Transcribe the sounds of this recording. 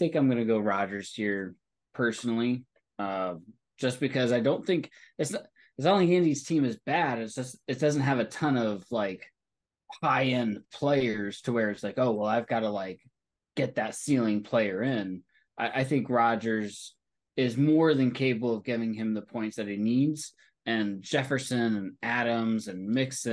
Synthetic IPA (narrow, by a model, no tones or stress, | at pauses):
θɪ̃ŋkãɪ̃mɡʌnɨɡoʊɹɑd͡ʒə˞z̥hiɹ | pʰɜ˞sn̩l̩ˠi | ʌ | d̥ʒ̥ʌsb̥ɨkʰʌzaɪdõʊ̃nθɪ̃ŋkɨts | ɨts̬õniɪ̃ndiz̥tʰĩmɨzbæɾɨtsd̥ʒ̥ʌsɨt̚d̥ʌzn̩t̚ɦɨvɨtʰʌ̃nʌv̥laɪk | haɪɨ̃npʰl̥eɪə˞z̥tʰəwə˞ɨtslaɪkoʊwɛlˠaɪvɡɑɾəlaɪk | ɡ̥ɛt̪̚ðɨtsilˠɪ̃ŋpʰl̥eɪə˞ɪ̃n | ʔaɪʔaɪθɪ̃ŋkɹɑd͡ʒə˞z | ɪzmɔɹðɨ̃nkʰeɪpəbl̩ˠʌvɡɪvɪ̃ŋɨ̃mðəpʰɔ̃ɪ̃ntsðɨɾ̚inidz̥ | ɨ̃nd͡ʒɛfə˞sɨ̃nɨ̃næɾə̃mzɨ̃nmɪksɨ̃